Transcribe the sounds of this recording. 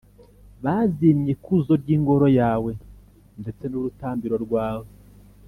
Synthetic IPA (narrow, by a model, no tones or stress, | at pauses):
βaːzimɲe̞kuzo̞ɾɟiːŋɡo̞ɾo̞jaːwe̞ | nde̞t͡se̞nuɾutaːmbiɾo̞ɾɡwaːwo